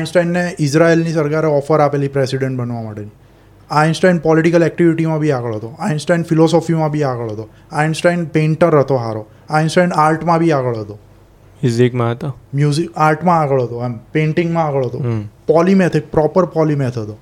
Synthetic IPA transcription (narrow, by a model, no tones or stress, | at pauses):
ajnsʈainːeisɾaelnisəɾkaɾeɔfəɾapelipɾesiɽẽɳʈ̚bənʋamaʈeni | ajnsʈainpɔliʈikəlɛk̚ʈiʋiʈimãbʱiaɡəɭɦət̪oainsʈainfilɔsɔfimãbʱiaɡəɭɦət̪o | ainsʈainpẽɳʈəɾət̪oɦaɾo | ajnsʈajnaɾʈmãbʱiaɡəɭɦət̪o | muzikmãɦət̪omjuzikaɾʈmãːɡəɭɦət̪oɦɛmpẽɳʈĩŋɡmãaɡəɭɦət̪opɔlimet̪ʰik̚pɾɔpəɾpɔlimet̪ʰɦət̪o